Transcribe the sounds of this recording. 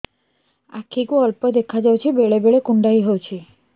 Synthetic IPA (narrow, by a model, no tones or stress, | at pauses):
a̰kʰikuəlpəd̪ekʰad͡ʒawt͡ʃʰibeɭebeɭekuɳɖaɦiɦowt͡ʃʰi